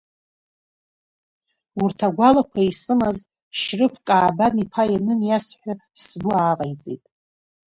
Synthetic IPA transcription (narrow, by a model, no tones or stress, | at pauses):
urtʰaɡʷalakʷʰaisɨmaz | ʃrɨfkʼaːbanipʰajanɨnjasħʷᶣasbʊaːqʼajd͡zʼḛjtʼ